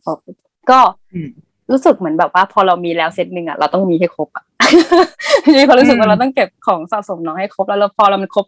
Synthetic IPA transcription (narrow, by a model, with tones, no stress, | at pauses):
kʰo˦˩p̚ | kɔː˥˩ | ɾuː˦˥sɯ˨˩k̚mɯ˩˦ənbɛː˨˩p̚waː˥˩pʰɔː˧ɾa˧wmiː˧lɛː˦˥wse˦˥t̪̚nɯ˧ŋʔa̰˨˩ɾa̰˧wt̪ɔ˥˩ŋmiː˧ɦa˥˩jkʰo˦˥p̚ʔa˨˩˦ | iː˧˥˩pʰɔː˧ɾu˦˥sɯ˨˩k̚wa˥˩ɾa˧wt̪ɔ˥˩ŋke˨˩p̚kʰɔː˩˦ŋsa˨˩so˩˦mnɔː˨˦ŋha˥˩jkʰo˦˥p̚lɛ˦˥wla˧˩wpʰɔː˧ɾa˧wma˧nkʰo˦˥p̚